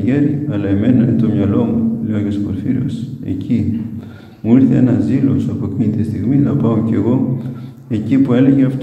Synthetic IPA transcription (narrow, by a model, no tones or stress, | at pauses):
ʝeɾiɐlɐeme̞nɐinet̪o̞mɲɐlo̞muleoʝespoɾfiɾio̰se̞̰cʰi | muiɾθe̞enɐzilo̞sɐpocinit̪ist̪iɣminɐpɐoce̞ɣo̞ | e̞cipue̞le̞ʝeɐft̪